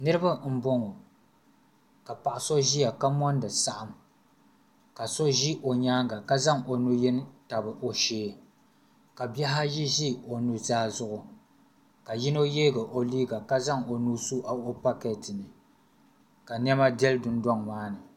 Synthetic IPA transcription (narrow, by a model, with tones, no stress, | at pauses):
nɨ˦ɾɨ˦ba˦m̩˦bɔ˦ŋo˨ | ka˨pa˨ʔʊ˨so˦ʒi˦ja˨ka˦mɔ˦ndɨ˨sa˦ʔa˨m | ka˨so˦ʒi˦ʔo˨ɲaː˦ɡa˨ka˦za˦ŋʔo˨nu˦jɛ˦n˦ta˨bɨ˨ʔo˨ʃeː˦ | ka˨bjɛ˦ɦa˦ji˦ʒi˦o˨nu˦zaː˦zʊ˦ʔʊ˨ | ka˨ji˦no˦jeː˦ɡa˨ʔo˨liː˦ɡa˨ka˦za˦ŋo˨nu˦su˦ʔa˨o˦pa˦kɛ˨tɨ˨nɨ˨ | ka˨n˦ɛ˦ma˦dɛ˦ldʊ˦ndɔ˦ŋmaː˦nɨ˨